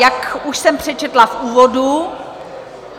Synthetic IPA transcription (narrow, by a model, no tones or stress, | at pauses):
jakuʃsɛmpr̝̥ɛt͡ʃɛt̪lafʔuːvodu